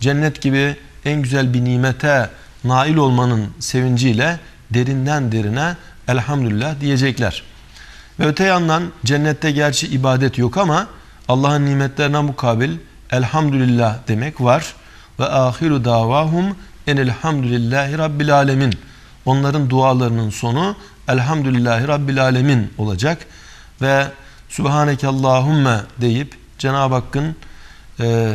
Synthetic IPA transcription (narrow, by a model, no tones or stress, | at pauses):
d͡ʒɛnːɛt̪ɟibi | ænɟyzælʲbiniːmɛt̪ʰɛ | naːilʲo̞lˠmanɯnse̞vind͡ʒiːlʲɛ | d̪e̞ɾind̪ænd̪e̞ɾinɛ | ælʲhamd̪ylʲilʲːahd̪ije̞d͡ʒɛclʲæ̰ɾ̥ | vɛøt̪ʰɛjand̪and͡ʒɛnːɛt̪ʰːɛɟæɾt͡ʃʰiʔːbaːd̪ɛt̪ʰjo̞kʰamaː | lˠːaːɦɯnːiːmɛt̪lʲe̞ɾinænbukʰaːbilʲ | ælʲhamd̪ylʲilʲːahd̪e̞mɛcvaɾ̥ | vɛʔaːxiɾud̪aːvaːɦum | ɛnilʲhamd̪ulʲilːæːɦiɾɑbːilʲaːlʲemiːn | o̞nlˠaɾɯnd̪uaːlˠaɾɯnɯnso̞nu | ælʲɦamd̪ylʲilʲːaːɦiɾɑbːilʲaːlʲemiːno̞lˠad͡ʒak | vɛ | subhaːnɛcʰalˠːaːɦumːad̪e̞jip | d͡ʒɛnaːbhakːɯnː